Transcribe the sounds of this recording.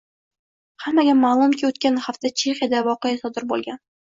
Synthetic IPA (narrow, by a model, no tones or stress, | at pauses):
hamːaɡʲamaːlˠʊmkʲʰɪot̪kʲanhaft̪ʰat͡ʃʰe̞χjad̪avɒqejasɒd̪ɪɾbolˠɡʲan